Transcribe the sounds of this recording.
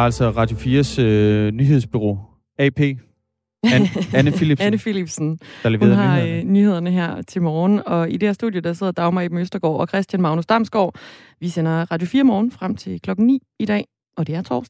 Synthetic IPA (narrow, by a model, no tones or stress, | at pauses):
æl̰sɒʁɑ̈ːd̥jo̝fiːɐsønyɦe̝ð̞̰ˠsb̥yʁo̝̰ː | ɛpʰe̝̰ː | ænəfilib̥ænəfilib̥sn̩d̥ɑleʋeṵːðˠnhɑ̈nyhe̝ð̰ˠɐnəɦæɐ̰t͡sʰe̝lmɒːn̩ɒ̽id̥eæɐsd̥ṵðˠjod̥ɑ̈se̝ð̰ˠɐd̥ɑ̈ʊmɑibm̩øsd̥ɐɡ̥ɒ̰ːɒ̽kʰʁɛsd̥jænmɑ̈ʊnusd̥ɑ̈msɡ̥ɒ̰ː | ʋisenɐʁɑ̈ːd̥jofiːɐmɒːn̩fʁam̰t͡sʰe̝lkʰlɒ̽ɡ̥n̩nḭːid̥ɛ̰ː | ɒ̽d̥e̝æɐt͡sʰɒ̰ːsd̥